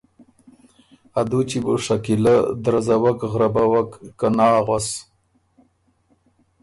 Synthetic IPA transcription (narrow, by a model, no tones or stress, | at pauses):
ad̪ut͡ʃibuʂakiləd̪ɾazawakɣɾabawakːanɑːɣwas